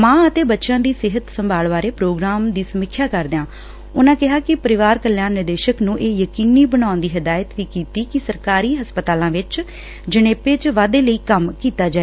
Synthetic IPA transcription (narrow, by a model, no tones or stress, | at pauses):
mãːət̪eːbətːʃãːd̪iːsɪɦət̪səmbʱaːlʋaːɾeːpɾoːɡɾaːmd̪iːsəmɪkʰːjaːkəɾd̪eãː | ʊnãːkɪɦaːkɪpəɾɪʋaːɾkəljaːnːɪɾd̪eːʃəknũːʔeːjəkiːniːbəɽaːʊnd̪iːɦəd̪aːjət̪ʋiːkiːt̪iːkɪsəɾkaːɾiːɦəspət̪aːlãːʋɪt͡ʃ | d͡ʒəñeːpeːt͡ʃʋaːd̪eːləiːkəmkiːt̪aːd͡ʒaːe